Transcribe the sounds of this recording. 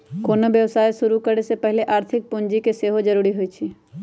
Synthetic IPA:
koːnobjəʋsaːjʃʊɾukəɾesepɛɦɪleʔaːɾt̪ʰɪk̚pʊnd͡ʒikeseːɦod͡ʒəɾuːɾiɦoit͡ʃʰi

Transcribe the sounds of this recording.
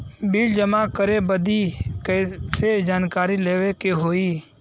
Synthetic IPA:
biːld͡ʒəmakəɾebəd̪ikɛsed͡ʒaːnkaːɾileːʋekeɦoːiː

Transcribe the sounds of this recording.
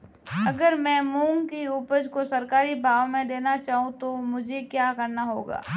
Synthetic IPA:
ɐɡəɾmɛ̃ːmũːŋkiuːpəd͡ʒkosɐɾkaːɾibʱaːʋmẽd̪eːnat͡ʃaːɦũt̪omʊd͡ʒʱekjaːkɐɾnaɦoːɡa̰ː

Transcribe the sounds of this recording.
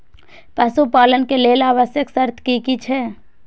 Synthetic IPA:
pəsupaːlənkeleːlaːʋəsjəksəɾt̪ʰkikit͡ʃʰɛː

